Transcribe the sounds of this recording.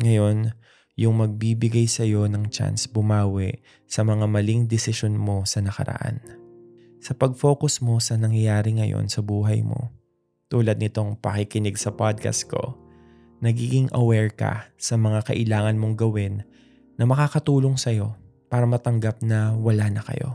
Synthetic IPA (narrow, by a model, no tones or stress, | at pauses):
ŋɐjo̞n | jʊŋmɐɡ̚bibɪɡajsɐjo̞nɐŋt͡ʃa̰nsbʊmaːwɪʔ | sɐmɐŋamɐliŋd̪ɪsɪʃonmo̞sɐnɐkɐ̰ɾɐ̰ʔa̰n | sɐpɐɡ̚fo̞ːkʊsmo̞sɐnɐŋjɐjaːɾɪŋɐjo̞̰nsɐbuːɦɐjmo̞̰ | t̪uːlɐd̪̚nɪt̪o̞ŋpɐkikɪnɪɡsɐpad̪̚ka̰st̪̚ko̞̰ | nɐɡiːɡɪŋʔɐwɛɹkɐ̰sɐmɐŋakɐʔɪlaːŋɐnmo̞ŋɡɐwɪnː | ɐmɐkaːkɐt̪uːlo̞ŋsɐjo̞ | paːɾɐmɐt̪ɐŋɡap̚nɐwɐlaːnɐkɐ̰jo̞̰